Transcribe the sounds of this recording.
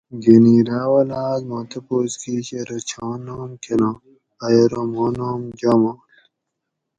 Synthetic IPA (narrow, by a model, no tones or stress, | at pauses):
ɡeniɾaːwɐlaːd̪maːt̪ʰɐpoːskiɕeɾot͡ɕʰãːnoːmkenõː | ɐjoɾomoːnoːmd͡ʑamo